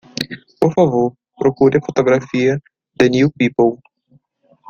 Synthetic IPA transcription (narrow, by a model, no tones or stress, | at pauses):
pofavo | pɾokudɛfot̪oɡɾafijɛ | d̪ɛnɪjupiːpow